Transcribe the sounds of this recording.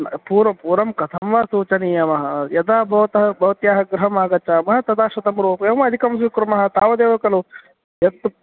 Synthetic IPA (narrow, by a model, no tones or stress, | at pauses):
npuːɾɐpuːɾɐmkɐt̪ʰɐmʋaːsuːt͡ʃɐniːjɐmɐɦɐjɐd̪aːbɐʋt̪ɐɦɐbɐʋt̪jaːɦɐɡɾɐɦɐmaːɡɐt͡ʃaːmɐɦɐt̪ɐd̪aːʃɐt̪ɐmɾoːpemɐɐd̪ʱikɐmsuːkɾɐmɐɦɐ̆t̪aːʋɐd̪eːʋɐkɐloː | jɐt̪